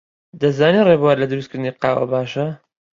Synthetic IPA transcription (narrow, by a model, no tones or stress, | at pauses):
d̪ɐzaːnirebuwaɾlɐd̪ɨɾust̪kʰɨɾd̪ɨniːqɑːwɐ̰baːʃɐ